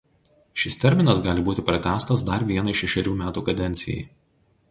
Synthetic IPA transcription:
ʃʲɪst̪ʲɛɾʲmʲɪnɐsɡɑːlʲɪbuːt̪ʲɪpɾɐt̪ʲæːst̪ɐsd̪ɐɾʋʲiɛnɐɪʃʲɛʃʲɛɾʲuːmʲæːt̪uːkɐd̪ʲɛnʲt̪sʲɪ̰jɛ̰ɪ

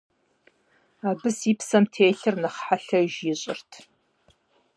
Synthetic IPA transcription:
aːbɨsipsɐmtʰeːɬɨrnɨχħaɬɐʒjɪɕʼɪ̰rtʰ

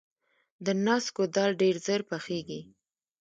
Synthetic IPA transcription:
d̪ənɑskod̪ɑlɖeɾzəɾpaxeɡi

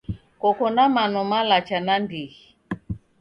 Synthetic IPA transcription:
kɔkɔnamanɔmalat͡ʃanandiɣi

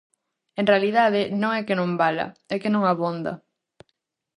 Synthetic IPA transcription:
ẽnrealiðað̞ɪnõŋɛkɪnõmbalɐ̰ɛkɪnõŋaβond̪ɐ̰

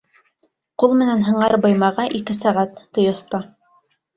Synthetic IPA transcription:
qulˠmɘ̆nænɦɤ̆ɴɑɾbɤ̆jmɑʁɑʔikɘsæʁæt̪ːɤ̆jŏθt̪ɑ

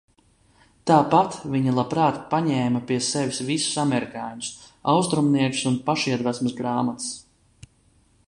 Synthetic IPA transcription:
t̪aːpat̪viɲalˠapɾaːt̪paɲɛːmapiɛsɛvʲisvisu̥samɛɾikaːɲus | awst̪ɾumniɛksunpaʃiɛd̪væsmsɡɾaːmat̪s

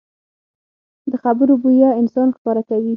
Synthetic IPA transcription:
d̪əxabəɾobujɑɪnsɑnxpɑɾakawi

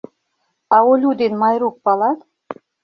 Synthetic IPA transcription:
ɑolʲud̪enmɑjɾuk̚pɑlɑt̪

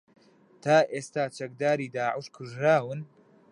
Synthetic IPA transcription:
t̪ʰaːʔeːst̪aːt͡ʃɐk̚d̪aːɾiːd̪aːʕɪʃkʰuʒɾaːwɨn

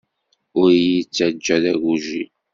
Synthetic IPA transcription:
ʊɾjit͡sːæd͡ʒːæðæɡuʒi

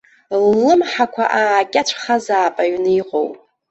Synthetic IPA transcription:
lːɨmħakʷʰa̰ʔakʲʼat͡ʃʷʰχazaːpʼaɥnɨiqʼowpʼ

